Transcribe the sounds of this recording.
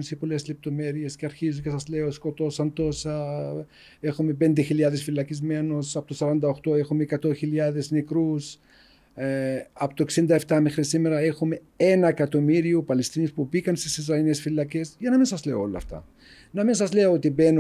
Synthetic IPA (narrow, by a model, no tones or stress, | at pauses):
nsepo̞le̞zle̞p̚t̪o̞me̞ɾie̞sceɐɾçizunce̞sɐzle̞o̞sko̞t̪o̞sɐnt̪o̞sɐ | e̞xume̞pe̞nd̪e̞çilɐðe̞sfilɐcizme̞no̞sɐpot̪osɐɾɐnd̪ɐo̞xt̪o̞e̞xumeːkɐt̪o̞çiliɐðe̞snekɾus | ɐpot̪oeksind̪ɐeft̪ɐmexɾisime̞ɾɐe̞xume̞ | e̞nɐekɐt̪o̞miɾiupɐlest̪inispubikɐnst̪isizɾɐinesfilːɐce̞sʝɐnɐminsɐzle̞o̰o̰lːɐ̰ft̪ɐ̰ | nɐminsɐzle̞oot̪ibe̞n